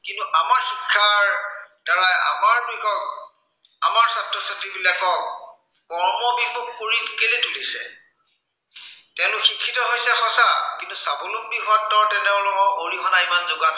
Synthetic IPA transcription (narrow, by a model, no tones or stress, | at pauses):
kintuʔamaɹxikʰːaɹd̥aɹaja̰maɹbikɔk̚ | a̰maɹsatɹɔsatɹibilakɔk | kɔɹmɔbimuk̚poɹitkelitʰulisɛ̰ | tɛʊ̃lʊkxikʰːitɔɦojsɛxɔsakintusabolʊk̚biɦaɔɹtɛnɛʊ̃lɔkɔʔoɹixʰɔnaimanzoɡat